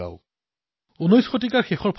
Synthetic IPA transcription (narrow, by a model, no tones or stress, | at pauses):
a̰ʊ | unojsxʰotikaxɛxɔɹpʰ